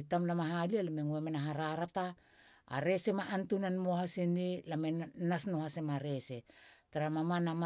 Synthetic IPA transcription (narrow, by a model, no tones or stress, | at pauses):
tamlamaɦalialameŋuemenaɦaɾaɾata̰ː | ɾe̞se̞maʔːntunanmohasenelamenasno̞hase̞maɾe̞se̞taɾamamanama